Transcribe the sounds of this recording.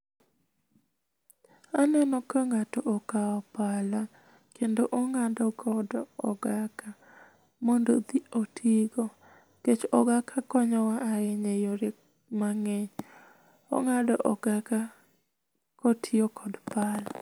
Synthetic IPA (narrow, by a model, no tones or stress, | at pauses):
anɛnɔkəŋatɔʔokaɔpala | kendoʔɔŋadɔkɔdɔ̰ɡaka | mondod̪iotʰiɡɔ | ket͡ʃɔɡakakɔɲɔwaʔaɾɛɲejoɾe | maŋeɲ | ɔ̰ŋadɔʔɔɡaka | kɔtʰɪɔkʰɔdpala̰